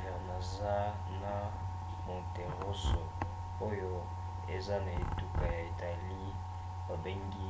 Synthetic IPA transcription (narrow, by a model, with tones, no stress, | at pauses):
vɛ˨ʁna˨za˦ | na˨ | mo˨te˨ʁo˦so˨ | o˦jo˦ | e˨za˦na˨e˨tu˦ka˨ja˨e˨ta˨li˦ | a˨be˦ŋɡi˦